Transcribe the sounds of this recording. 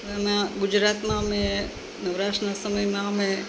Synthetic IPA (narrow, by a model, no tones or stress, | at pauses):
əmãɡʊd͡ʒɾat̪mãəmẽ | nəʋɾat͡ʃɾnasəməjmãəmẽ